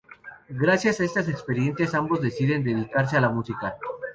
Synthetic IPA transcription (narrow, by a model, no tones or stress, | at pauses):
ɡɾasjasaest̪as̬ekspe̞ɾje̞nsjasambo̞zðe̞siðe̞nd̪e̞ðikaɾs̬e̞alamusika